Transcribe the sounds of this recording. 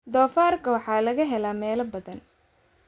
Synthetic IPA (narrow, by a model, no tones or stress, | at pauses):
d̪ɔːfaːrkʰɐwɑħɑːlɐɣɐɦɛlaːmɛːlɐbɐðɐn